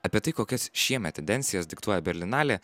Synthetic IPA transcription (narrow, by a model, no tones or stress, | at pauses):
ɐpʲiɛt̪ɐɪkoːkʲɛsʃʲiɛmʲɛt̪ʲɛnʲd̪ʲɛnʲt̪sʲɪjɛsd̪ʲɪkt̪uɔjɛbʲɛɾʲlʲɪnɑːlʲeː